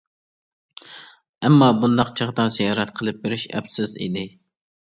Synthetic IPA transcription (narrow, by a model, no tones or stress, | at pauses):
ɛmːɑbund̪ɑqt͡ʃʰəʁəd̪ɑnsijɑːɾɛt̪̚qʰəlˠɨp̚beɾɪʃɛ̰psɪzḭd̪ɪ